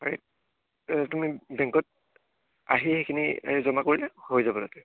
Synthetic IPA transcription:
aɹḛt̚ | tumibɛŋkɔt̚ | a̰ɦixejkʰinḭzɔmakoɹilɛhojzabɔnatɛ

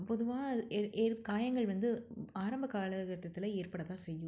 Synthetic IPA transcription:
pɔðɯʋãːʔeːɾkaːjɐŋɡɐɭʋɐnd̪ɯaːɾɐmbɐkaːɭɐkɐʈ̪ːɐt̪ːɪlɐeːɾpɐɽɐt̪ãːsɛjːɯ̃

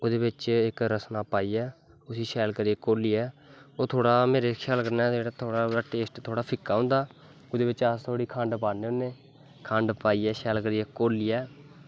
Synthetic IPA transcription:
ʊd̪eːbɪt͡ʃɪkɾəsnaːpaːiːɛː | ʊsiːʃɛːlkəɾieːkoːliːɛːoːt̪ʰoːɽaːmeːɾeːkʰjaːlkəɾnaːd͡ʒeːɽaːt̪ʰoːɽaːaʈeːsʈt̪ʰoːɽaːpʰɪkːaːɦʊ̃ːnd̪aː | ʊd̪eːbɪt͡ʃast̪ʰoːɽiːkʰə̃ɳɖpaːneːʊːneː | kʰə̃ɳɖpaːiːɛːʃɛːlkəɾiːɛːkoːliːɛː

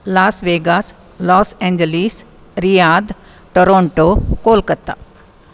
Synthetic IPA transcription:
laːsʋeːɡas | lɔːsɛ̃ːɲd͡ʒəlis | ɾijaːd̪ | ʈoɾõːɳʈokoːlkɐɾt̪a̰

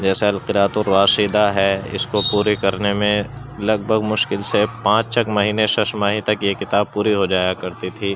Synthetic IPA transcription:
d͡ʒɛːseɐlqɪɾaːt̪õɾːaːʃiːd̪aɦɛɪ̰skopuːɾikɐɾnemẽlɐɡ̚bʱəɡmʊʃkɪlsepãːt͡ʃt͡ʃɐkmɐɦiːneʃɐʃmaːɦit̪ɐkjekɪt̪aːb̚puːɾiɦod͡ʒaːjakɐɾt̪it̪ʰiː

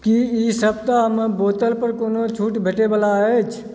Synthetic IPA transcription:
kiisəb̚t̪aɦəmbot̪əlpəɾkoːnot͡ʃʰuʈbʱeʈebəlaɛt͡ʃʰ

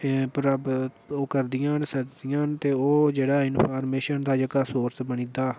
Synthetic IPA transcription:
pəɾəb̪ | oːkəɾd̪ɪjãːnsəd͡ʒd̪ɪjãːnt̪eːoːd͡ʒeːɽaːɪnpʰaːɾmeːʃənd̪aːd͡ʒəɡaːsoːɾsbəɳĩːd̪aː

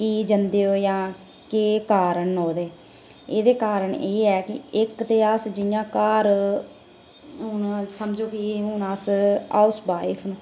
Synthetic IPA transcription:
kiːd͡ʒənd̪eːoːjãː | keːkaːɾənɦoːd̪eː | eːd̪eːkaːɾəɳeːɛːkɪ̰ɪkt̪eːəsd͡ʒɪjãːkaːɾ | ɦʊnsəmd͡ʒoːkiɦʊnaːsa̰ːʊsbaːɪpʰn

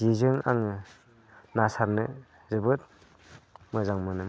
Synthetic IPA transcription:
izɯŋa̰ŋ | nasaɾnɯ | zɯbɯt̚ | mɯzaŋmɯnɯm

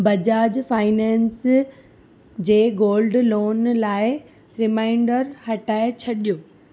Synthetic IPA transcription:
bɐd͡ʑaːd͡ʑfaːɪnɛ̃ːns | d͡ʑeːɡoːlɖloːnlaːɪ | ɾɪmaːɪ̃ɳɖəɾhɐʈaːɪt͡ɕʰɐɗijoː

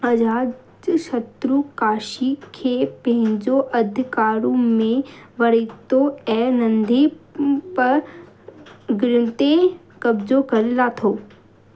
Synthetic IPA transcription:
ɐd͡ʑaː | d͡ʑʃɐt̪ɾukaːʃikʰeːpɐ̃ɦɪ̃ɲd͡ʑoʔɐd̪ʱkaːɾũmẽʋɐɾiːt̪oɛ̃ːnɐ̃nd̪ʱipɐɾ | ɡɪɾɪ̃nt̪e | kɐbzokɐɾɪlat̪ʰoː

